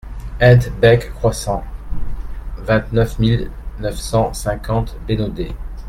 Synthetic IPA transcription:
ɛd̪bɛkːχwasɑ̃ | vɛ̃t̪nœfmilnœfsɑ̃sɛ̃kɑ̃t̪benod̪e

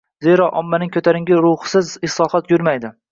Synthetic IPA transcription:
zeɾɒʔɒmːanɪŋkʲʰɵt̪ʰaɾɪŋɡʲɪɾʊhsɪzɪslˠɒχɒt̪jʊɾmajd̪ɪ

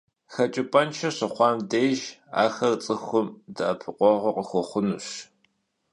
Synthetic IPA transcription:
xɐt͡ʃʼɪpʼɐnt͡ʃʰɐɕɐχʷɑːmdeːʒa̰ːxɐrt͡sʼɨxʊmdɨʔɐpʰɨqʷɔʁʷɐqʼəxʷɔχʷʊnuɕ

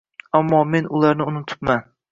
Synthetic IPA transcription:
amːɒme̞nʊlˠaɾnɪʊnʊt̪ʰʊ̥pman

